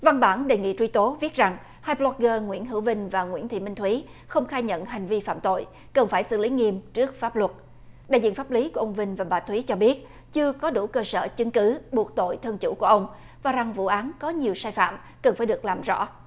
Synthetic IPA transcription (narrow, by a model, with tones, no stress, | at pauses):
va˧ŋɓaː˧˩nɗe˨˩ŋḭ˧˨t͡ɕwi˧t̪o˨˦vi˦˥t̚za˨˩ŋ | haː˧jplɔ˧˦˥k̚ɣəː˧ŋwḭ˧˥ənɦɨ˧˩wvï˧ŋ̟vaː˨˩ŋwḭ˧˥ənt̪ʰḭ˧˨mï˧ŋ̟t̪ʰwi˨˦ | xə˧wŋ͡mxaː˧jɲə̰˧˨nɦa˨˩jŋ̟vi˧fa̰ː˧˨mt̪o̰˧˨j | kə˨˩nfaː˧˩jsɨ̰˧˨li˨˦ŋi˧əmt͡ɕɨ˦˥ək̚faː˦˥p̚lwə˨˩t̚ | ɗa̰ː˧˨jzḭ˧˨faː˦˥p̚li˨˦ku˧˩əʔə˧wŋ͡mvï˧ŋ̟vaː˨˩ɓaː˨˩t̪ʰwi˨˦t͡ɕɔ˧ɓi˦˥ət̚ | t͡ɕɨ˧əkɔ˨˦ɗu˧˩kəː˧sə̰ː˧˨t͡ɕɨ˨˦ŋkɨ˨˦ɓu˨˩ək̚t̪o̰˧˨jt̪ʰə˧nt͡ɕṵ˧˩ku˧˩əʔə˧wŋ͡m | vaː˨˩za˨˩ŋvṵ˧˨ʔaː˨˦nkɔ˨˦ɲi˨˩əwsaː˧jfa̰ː˧˨m | kə˨˩nfaː˧˩jɗɨ˨˩ək̚laː˨˩mzɔ̰˧˥